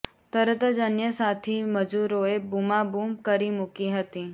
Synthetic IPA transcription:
t̪əɾət̪əd͡ʒənjəsat̪ʰiməd͡ʒuɾoebumabuːmkəɾimʊkiɦət̪i

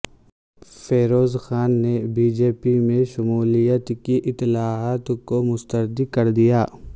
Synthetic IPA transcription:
feːɾoːzxaːnːebiːd͡ʒeːpimẽʃʊmuːlijət̪kiʔɪt̪ɪlaːɦaːt̪komʊst̪əɾd̪ikɐɾd̪ijaː

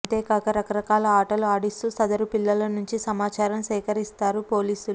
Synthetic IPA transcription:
t̪eːkɐkɐɾɐkɐɾɐkaːlɐaːʈɐluaːɽist̪usɐd̪ɐɾupilːɐlɐnuɲt͡ʃisɐmaːt͡ʃaːɾɐmsɛːkɐɾist̪aːɾupo̞ːliːsulu

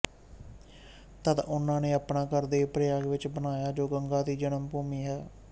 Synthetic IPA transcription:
t̪ət̪ʊnãːneːəpnaːkəɾd̪eːpɾəjaːɡʋɪt͡ʃbənaːjaːd͡ʒoːɡəŋɡaːt̪iːd͡ʒənəmpuːmiːɦɛː

